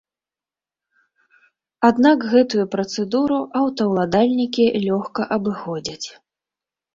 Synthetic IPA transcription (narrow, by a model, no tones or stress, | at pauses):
ad̪nakɣɛt̪ujupɾɐt̪sɛd̪uɾuʔɐwt̪ɐwlˠad̪alʲnʲikʲilʲɔxkɐʔɐbɨxɔd͡zʲɐt͡sʲ